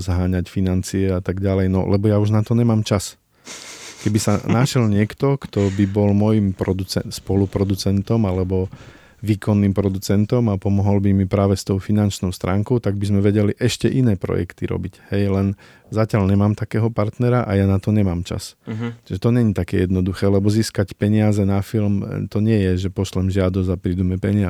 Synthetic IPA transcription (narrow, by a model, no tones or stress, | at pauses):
zaɦaːɲacfinant͡siɛat̪aɡɟalɛjnɔ̰lʔɛbɔjauʒnat̪ɔɲɛmaːmt͡ʃas | kɛbisa̰naʃɛlɲɪɛkt̪ɔkt̪ɔbibɔlmɔjimpɾɔd̪ut͡sɛ̰nspɔlupɾɔd̪ut͡sɛnt̪ɔmalɛbɔ | ʋiːkʰɔnːiːmpɾɔd̪ut͡sɛnt̪ɔmapɔmɔɦɔlbimipɾaːʋɛst̪ɔʊfinant͡ʃnɔʊst̪ɾʔaːŋkɔʊt̪aɡ̚bizmɛʋɛɟɛliʔɛʃcɛʔinɛːpɾɔ̰jɛ̰kt̪iɾɔ̰bichɛjlɛn | zacɪalɲɛmaːmt̪akɛːɦɔpaɾt̪nɛɾaʔajanat̪ɔɲɛmaːmt͡ʃa̰st͡ʃʒɛt̪ɔɲɛɲit̪akɛ̰jɛd̪nɔd̪uxɛːlɛbɔziːskacpɛɲɪazɛnafilmt̪ɔɲɪɛjɛʒɛpɔʃlɛmʒɪad̪ɔzapɾid̪umɛpɛɲɪa